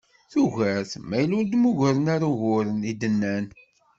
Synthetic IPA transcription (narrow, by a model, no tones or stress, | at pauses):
θuʝəɾθmæjluɾd̪muʝʊɾənaɾuɣʊɾənid̪ənːæn